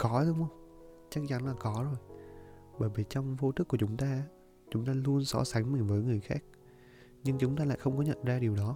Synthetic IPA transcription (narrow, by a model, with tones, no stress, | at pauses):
kɔ˨˦ɗɨ˨˧˦wŋ͡mʔə˧wŋ͡m | t͡ɕa˦˥k̚t͡ɕa˨˦nlaː˨˩kɔ˨˦zo˨˩jɓəː˧˩jvi˨˩t͡ɕɔ˧wŋ͡mvo˧t̪ʰɨ˦˥kːət͡ɕʊ˨˦ŋ͡mt̪aː˧˦ | t͡ɕʊ˨˦ŋ͡mt̪aː˧lu˧ənsɔ̰˧˦sa˨˦ŋmi˨˩nvəː˨˦jŋɨ˨˩əjxaː˦˥k̚ | ɲɨ˧ŋt͡ɕʊ˨˦ŋ͡mt̪aː˧la̰ː˧˨jxə˧wŋ͡mkɔ˨˦ɲə̰˧˨nzaː˧ɗi˨˩əwɗɔ˨˦